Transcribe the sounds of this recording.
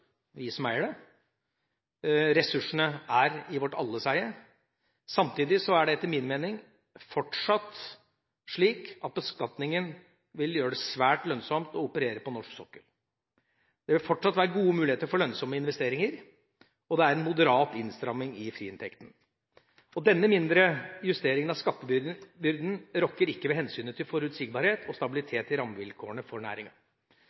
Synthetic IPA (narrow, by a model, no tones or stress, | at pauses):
ʋɪsɔmæɪɖɛ | ɾɛsʉʂːəɳəæɾɪʋɔʈːɑ̰lːəsæɪə | sɑmt̪iːd̪ɪsɔæɖɛɛt̪ːəɾmɪnmeːnɪŋ | fɔʈʂɑt̪ | ʂɭiːkɑt̪̚bəskɑt̪nɪŋən | ʋɪljøːɖɛsʋæːʈlœnsɔmt̪ɔʊpəɾeːɾəpɔnɔʂksɔkːəl | d̪̥ɛʋɪlfɔʈʂɑt̪ːʋæːɾəɡuːəmʉːlɪheːt̪əɾfɔɭœnsɔmːəɪnʋɛst̪eːɾɪŋəɾ | ɔd̪ɛæɾɛnmʊd̪əɾɑːt̪ɪnst̪ɾɑmːɪŋɪfɾiːɪnt̪ʰɛkt̪n̩ | ɔd̪ɛnːəmɪnd̪ɾəjʉst̪eːɾɪŋənɑskɑt̪ːəbʏbʏɾd̪n̩ɾɔkːəɾɪkːəʋɛhɛnsyːnət̪ʰːɪlfɔɾʉt̪sɪɡbɑːɾheːt̪ʰɔst̪ɑbɪlɪt̪ʰeːt̪ɪɾɑmʋɪlkʰoːəɳəfɔɳæ̰ːɾɪŋɑ̰